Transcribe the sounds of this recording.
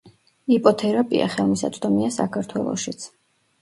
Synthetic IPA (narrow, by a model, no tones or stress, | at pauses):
ipʼɔt̪ʰɛɾapʼḭa̰χɛlˠmisa̰t̪sʼd̪ɔmiasa̰kʰaɾt̪ʰwɛlˠɔ̰ʃit̪sʰ